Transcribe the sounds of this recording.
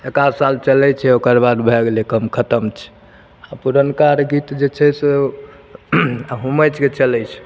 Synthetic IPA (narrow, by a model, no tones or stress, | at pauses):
ekaɾsalt͡ʃəlɛt͡ʃʰɛokəɾbad̪bʱɛɡelekəmkʰət̪əmt͡ʃʰɛ̥ | apuɾənkaɾɡit̪d͡ʒet͡ʃʰɛse | ɦumət͡ʃʰket͡ʃəlɛt͡ʃʰɛ̥